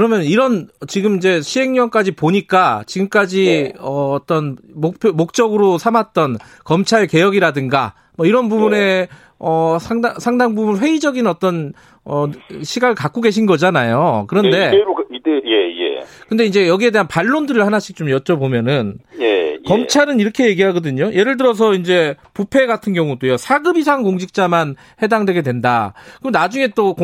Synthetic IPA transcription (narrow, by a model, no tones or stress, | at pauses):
kɯɾʌmjʌnniɾʌnt͡ɕiɡɯmind͡ʑe̞ɕʰiɦe̞ŋɲʌŋk͈ad͡ʑipoɲik͈at͡ɕiɡɯmk͈ad͡ʑiʌːt͈ʌnmopʰjomok̚t͡ɕ͈ʌɡɯɾosʰamat̚t͈ʌn | kʌmt͡ɕʰaɭke̞jʌɡiɾadɯŋɡa | mʌiɾʌnbubune̞ | ʌsʰaŋdsʰaŋdaŋbubuɭɸwe̞id͡ʑʌɡinʌt͈ʌn | ʌɕʰiɡaɡɯɭkak͈oɡe̞ɕ̬ʰinɡʌd͡ʑanajokɯɾʌnde̞jejḛkɯnde̞ind͡ʑe̞jʌɡie̞deɦanpaɭːondɯɾɯɭhanaɕʰik̚t͡ɕ͈omjʌt͡ɕ͈ʌbomjʌnɯnjekʌmt͡ɕʰaɾɯniɾʌkʰe̞je̞ɡiɦaɡʌdɯɲoje̞ɾɯɭd̬ɯɾʌs̬ʰʌind͡ʑe̞ | pupʰe̞ɡatʰɯnɡjʌŋudojosʰaɡɯbis̬ʰaŋkoŋɕʰik̚t͡ɕ͈aman | he̞daŋdwe̞ɡe̞dwe̞ndakɯnad͡ʑuŋe̞t͈ok